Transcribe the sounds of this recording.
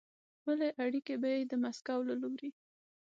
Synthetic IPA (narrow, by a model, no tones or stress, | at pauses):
bəleʔaɽikebajed̪əmaskawlaloɾi